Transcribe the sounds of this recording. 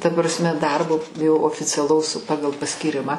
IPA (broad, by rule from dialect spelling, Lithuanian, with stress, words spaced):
tɐ prɐsʲˈmʲɛ ˈdɐrboː jɛʊ oːfʲɪt͡sʲɛˈlˠɐʊs ˈpɑːɡɐlˠ pɐsʲkʲiːˈrʲɪmɑː